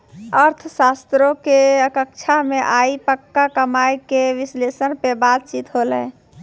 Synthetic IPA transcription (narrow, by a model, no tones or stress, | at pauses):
əɾt̪ʰsast̪ɾokeəkəkt͡ʃʰameʔaipəkːakəmajkeʋislesənpebat̪̚t͡ʃit̪ɦolɛ̰